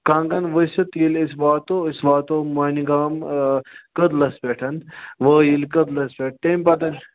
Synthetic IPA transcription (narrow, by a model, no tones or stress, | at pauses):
kãːŋɡɐnʋəsɐt̪ilisʋaːt̪oisʋaːt̪oːmaːniɡaːm | kəd̪lɐspɛːʈʰɐnʋəːjilkəd̪lɐspʲeːʈ̚ʰʈeːmpɐt̪ɐn